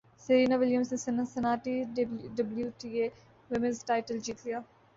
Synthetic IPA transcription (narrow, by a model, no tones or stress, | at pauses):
sɐɾiːnaʋɪljəmsnesɐnɐsɐnaːʈiɖɐbljuʈiːeː | ʋɪmɪ̃nzʈaːɪʈəld͡ʒiːt̪lijaː